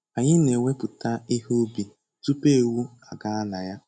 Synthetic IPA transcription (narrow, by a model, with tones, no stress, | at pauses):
a˨ɲɪ˦ne˨ŋʷe˦pʊ˨ta˦i˦ɦo˦bi˨ | tu˦pe˦˨wu˦a˨ɡa˦a˦na˨ja˦